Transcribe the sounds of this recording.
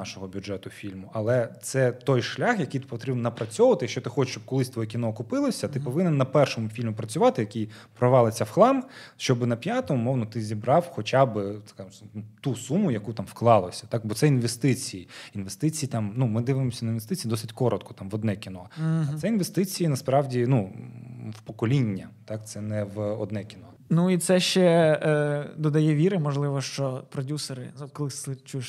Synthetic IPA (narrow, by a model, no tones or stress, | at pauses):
ɑʃɔɦɔbʲʊʐɛt̪ʊfʲilʲmʊʔɐlˠɛt̪sɛt̪ɔjʃlʲaxjɐkijt̪ɪ̥pɔt̪ɾʲibnnɐpɾɐt͡sʲɔʋɐt̪ɪjɐkʃt͡ʃɔt̪ɪxɔt͡ʃɪ̥ʃt͡ʃɔb̚kɔlˠɪsʲt̪ʋɔjɛkʲinɔːkʊpɪlˠɔsʲɐt̪ɪpɔʋɪnɪnːɐpɛrʃɔmʊfʲilʲmʊpɾɐt͡sʲʊʋɑt̪ɪjɐkʲij | pɾɔʋɑlˠɪt͡sʲːɐwxlˠɑmʃt͡ʃɔbɨnɐpʲjat̪ɔmʊmɔwnɔt̪ɪzʲibɾɑwxɔt͡ʃabɪt̪kasnut̪usumʊjɐkut̪ɑmfklˠɑlˠɔsʲɐ̥t̪ɑk̚bɔt̪sɛinʋest̪ɪt͡sʲijiinʋest̪ɪt͡sʲijit̪ɑmnumɪd̪ɪʋɪmɔsʲɐnɐinʋest̪ɪt͡sʲiːd̪ɔsɪtʲkɔɾɔt̪kʰɔ̥t̪ɑmʋɔd̪nɛkʲinɔɐɛinʋest̪ɪt͡sʲijinɐspɾɑwdʲinu | wpɔkɔlʲinʲːɐt̪ɑk̚t̪sɛnɛʋɔd̪nɛkʲinɔ | nuit̪sɛʃt͡ʃɛ | d̪ɔd̪ɐjɛʋʲiɾɪmɔʒlˠɪʋɔʃt͡ʃɔpɾɔdʲusɔɾɪzkɔlˠɪɪt͡ʃujeʃ